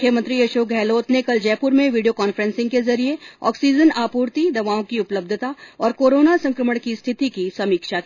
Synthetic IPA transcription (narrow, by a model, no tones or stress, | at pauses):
jəmə̃nt̪ɾiɐʃoːk̚ɡʱɛːloːt̪nekɐld͡ʒɛːpʊɾmẽʋiːɖijokaːnfəɾə̃nsɪ̃ŋɡkezɐɾieɔ̰ːksiːd͡ʒənaːpuːɾt̪id̪ɐʋaːõkiʊpləb̚d̪ʱət̪aɔːɾkoːɾoːnasɐ̃ŋkɾəməɽ̃kist̪ʰɪt̪ikisɐmiːkʃakː